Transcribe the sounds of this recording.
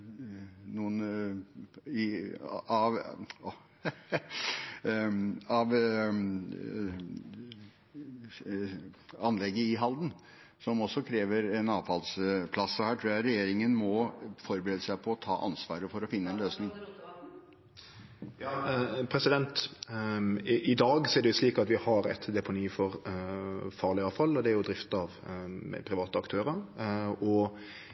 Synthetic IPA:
nuːən | ɪ | ɑʋ | ɑʋ | ɑnlɛɡəɪɦɑld̪n̩ | sɔmɔsːɔkʰɾeːʋəɾɛnɑːʋfɑlspʰlɑsːɔhæːʈ̪ʰɾuːjæɾɛjeːɾɪŋənmɔfɔɾbəɾeːd̪əsæɪpʰɔːt̪ʰɑ̰ːʔɑ̰nsʋɑ̰ːɾəfɔɾɔfɪnːəɛnløːsnɪŋ | jɑːpʰɾɛsɪd̪ɛnt̪ | ɪd̪ɑːɡsɔɛɖɛʊsliːkɑt̪ʋɪhɑɾɛ̰t̪d̪ɛpʊniːfɔɾ | fɑːʁlɪɑːʋfɑlːɔd̪ɛæɾjʊd̪ɾɪft̪ɑʋ̰pʰɾɪʋɑːt̪əɑkt̪ʰøːɾəɾɔ

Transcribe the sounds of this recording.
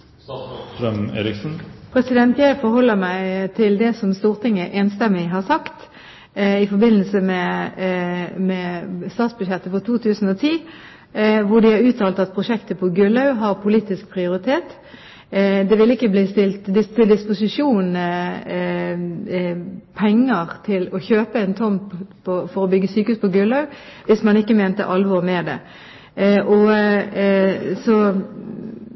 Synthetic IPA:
ɾœmḛːɾɪksn̩pʰɾɛsɪd̪ɛnt̪jæɪfɔɾhɔlːəmæɪt̪ʰɪld̪ɛsɔmst̪uːʁt̪ʰɪŋːəʔeːnst̪ɛmːɪɦɑʁsɑkt̪ | ɪfɔɾbɪnːəlsəmɛ | mɛst̪ɑːt̪sbʉd̪ʃjɛt̪ːəfɔt̪ʰuːt̪ʰʉːsn̩ot̪ʰiː | ʋʊɖɪhɑɾʉːt̪ʰɑːlt̪ɑt̪̚pʰʁʊʂɛkt̪əpʰɔɡʉlɑʉɦɑʁpʰʊliːt̪ɪsk̚pʰʁɪʊɾɪt̪ʰeːt̪ | d̪ɛʋɪlɪkːəbliːst̪ɪlt̪d̪ɪst̪ʰːɪld̪ɪspʊsɪʂuːn | pʰɛŋːəʁt̪ʰɪlɔçøːpəænt̪ʰɔmpʰɔfɔʁɔbʏɡːəsyːkəʉspʰɔɡʉlɑʉʋɪsmɑnɪkːəmeːnt̪ə̰ʔɑlʋɔʁmɛd̪ɛ̰ | ʔɔ | sɔ

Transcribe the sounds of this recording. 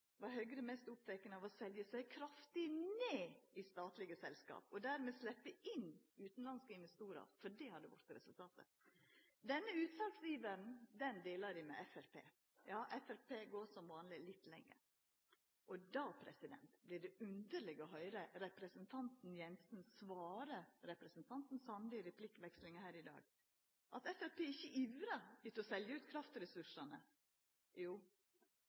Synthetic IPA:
ʋɑɾhœɡɾɛmɛst̪ʊpt̪ɛkənəɑʋɔsɛljəsæɪkʰɾɑft̪ɪneːɪst̪ɑːt̪lɪɡəsɛ̰lskɑ̰ːpɔd̪æːɾmɛslɛpːəɪnːʉːt̪n̩lɑnskəɪnʋɛst̪uːɾə̰ɾfɔɖɛhɑd̪əʋʊ̰ɾt̪ɾɛsʉlt̪ʰɑːt̪ʰə̰ | d̪ɛnːəʉːt̪sɑlksɾiːʋəɾn̩d̪ɛnd̪eːlɑɾɪmɛ̰ɛfɛɾpʰḛː | jɑːʔɛfæɾpʰeːɡoːʂɔmʋɑːnlɪlɪt̪ːlɛ̰ŋːə̰ | ʔɔd̪ɑːpʰɾɛ̰sɪd̪ɛ̰nt̪blɪɖɛʉnd̪əɾɭɪɡɔɦœʏɾəɾɛpɾɛsənt̪ʰɑnt̪n̩jɛnsn̩sʋɑːɾəɾɛpɾɛsnt̪ʰɑnt̪n̩sɑnlɪɾɛpʰlɪkːʋɛkslɪŋəhæːɾɪd̪ɑ̰ːɡ | ʔɑt̪ɛfæɾpʰeːɪçːəʔiʋɾəɪt̪ɔsɛljəʉːt̪kʰɾɑft̪ɾɛsʉʂɑnə̰ | juː

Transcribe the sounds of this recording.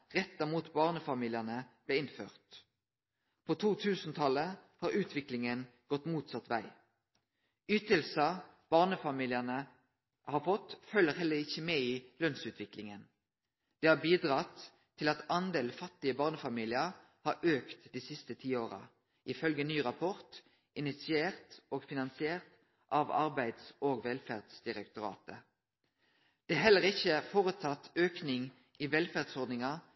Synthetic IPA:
ʁɛt̪ːɑmuːt̪bɑːʁnəfɑmiːlɪənəb̥leːɪnfø̰ːʁt̪ | pʰoːt̪ʰuːt̪ʰʉːsn̩t̪ʰɑləhɑːʁʉːt̪ʰʋɪklɪŋənɡ̥ɔt̪ːmuːt̪sɑt̪ʋæ̰ɪ | ʏt̪əlsɑb̥ɑːʁnəfɑmiːlɪənə | hɑːʁfɔt̪fœlːəʁhɛlːəɾɪçːəmeːiːlœnsʉːt̪ʰʋɪklɪŋən | d̪̥ɛːɑbiːd̪ʁɑt̪ʰː | ɪlɑt̪ɑnd̪eːlfɑt̪ːɪəbɑːʁnəfɑmiːlɪə | hɑɾʔøːkt̪d̪iːsɪst̪ət̪ʰiːoːʁɑ̰ | ʔɪfœlɡənyːʁɑpʰɔʁt̪ | ʔɪnɪt̪sɪeːʁt̪oːɡfɪnɑnsɪeːʁt̪ | ʔɑʋɑ̰ʁbæɪd̪sʔoːɡʋɛlfæːʁd̪sd̪ɪʁɛkt̪ʊɾɑ̰ːt̪ə | d̪̥ɛæɦɛləʁɪçːəfoːʁʉt̪ʰɑt̪ːøːknɪŋ | iːʋɛlfæʁd̪sɔʁd̪nɪŋɑ

